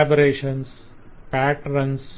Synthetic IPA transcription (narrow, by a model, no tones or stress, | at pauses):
bəɾeːʃə̃ns | pæːʈɾə̃ns